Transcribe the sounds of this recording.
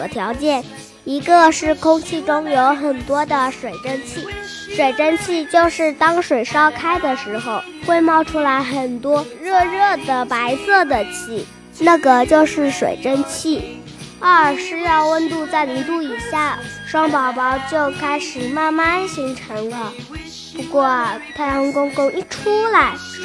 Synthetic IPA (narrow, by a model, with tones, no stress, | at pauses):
t̪ʰjɑ˧˥ʊt͡ɕjɛ˥˩n | i˧˥ɡə˧ʂɻ̩˥˩kʰʊ˥ŋt͡ɕʰi˥˩ʈ͡ʂʊ˥ŋjo˧˥ʊxə˨˩nt̪wɔ˥d̪ə˨ʂwe˨˩ɪʈ͡ʂə˥˧nt͡ɕʰi˥˩ | ʂwe˨˩ɪʈ͡ʂə˥˧nt͡ɕʰi˥˧t͡ɕjo˥˧ʊʂɻ̩˥˩t̪ɑ˥ŋʂwe˨˩ɪʂɑ˥ʊkʰa˥ɪd̪ə˨ʂɻ̩˧˥xo˧ʊkwe˥˧ɪmɑ˥˩ʊʈ͡ʂʰu˥la˧˥ɪxə˨˩nt̪wɔ˥ɻɤ˥˧ɻɤ˥˩d̪ə˩pa˧˥ɪsɤ˥˩d̪ə˩t͡ɕʰi˥˩ | na˥˩ɡə˩t͡ɕjo˥˧ʊʂɻ̩˥˩ʂwḛ˨˩ɪʈ͡ʂə˥˧nt͡ɕʰi˥˩ | ə˥˩ʂɻ̩˥˧jɑ˥˧ʊwə˥˧nt̪u˥˧t͡sa˥˩ɪni˧˥t̪u˥˩i˨˩ɕja˥˩ʂwɑ˥ŋpɑ˧˥ʊpɑ˧˥ʊt͡ɕjo˥˩ʊkʰa˥ɪʂɻ̩˨˩ma˥˧nma˥˧nɕi˧˥ŋʈ͡ʂʰɤ˧˥ŋlə˧ | pu˧˥kwɔ˥˩t̪ʰa˥˩ʊ˥ŋkʊ˥ŋkʊ˥˧ŋi˥˩ʈ͡ʂʰu˥la˧˥ɪ